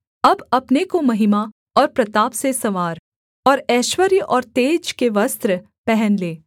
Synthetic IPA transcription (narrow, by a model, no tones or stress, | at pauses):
ɐbɐpnekomɐɦɪma | ɔːɾpɾɐt̪aːpsesɐʋaːɾ | ɔːɾɛːʃwəɾjəʔɔːɾt̪eːd͡ʒkeʋɐst̪ɾə | pɛɦɛnleː